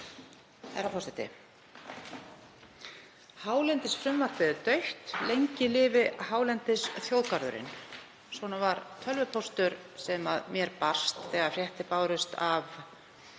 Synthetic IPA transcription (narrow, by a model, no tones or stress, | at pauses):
ha̰ɾafɔst̪ɛt̪ɪ̰ | haːwlɛnt̪ɪsfɾʏmvaɾ̥p̪ɪðʏt̪œɥht̪lejɲcɪlɪːvɪhaːwlɛnt̪ɪsθjowðkaɾðʏ̰ɾɪ̰n | swɔnavaɾt̪ʰœlvʏpʰowst̪ʏɾ | sɛmaðmjɛɾpar̥st̪θɛːɣafrjɛht̪ɪpaːwɾʏst̪ʰav